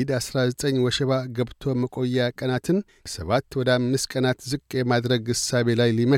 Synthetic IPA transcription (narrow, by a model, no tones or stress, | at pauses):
d̪asɾazət̪ʼəɲːwɔʃɛβaɡəβt̪ʰo̞məkʼo̞jːakʼənat̪ʰɨn | səβat̪ːwɔd̪əamːɨskʼənat̪zɨkʼːe̞mad̪ɾəɡɨsaβe̞lajlimə